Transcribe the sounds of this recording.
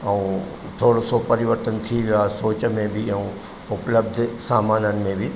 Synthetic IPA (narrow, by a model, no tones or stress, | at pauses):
ɛ̃ː | t̪ʰoːɽosopɐɾɪʋəɾt̪ən̆t̪ʰiʋijaɦsoːt͡ɕmẽbɪɛ̃ũ | ʊpləb̚d̪ʱsaːmaːnənɪ̆mẽbɪ